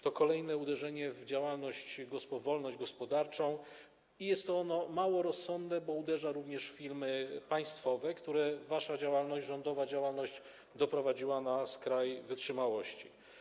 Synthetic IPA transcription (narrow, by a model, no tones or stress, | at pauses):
t̪ɔkɔlɛjnɛud̪ɛʐɛɲɛvd͡ʑawalnɔɕt͡ɕɡɔspɔvɔlnɔɕd͡ʑɡɔspɔd̪aɾt͡ʂɔ̃w̃ | ijɛst̪ːɔɔnɔmawɔɾɔsːɔnd̪nɛbɔud̪ɛʐaɾuvɲɛʂfʲilmɘpaj̃st̪fɔvɛkt̪uɾɛvaʂad͡ʑawalnɔɕd͡ʑʐɔnd̪ɔvad͡ʑawalnɔʑd͡ʑ | d̪ɔpɾɔvad͡ʑiwanaskɾajvɘtʂɘmawɔɕt͡ɕi